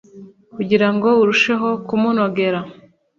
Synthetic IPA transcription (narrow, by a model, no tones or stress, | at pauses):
kuɟiɾaŋɡo̞uɾuʃe̞ɦo̞kumuno̞ɡe̞ɾa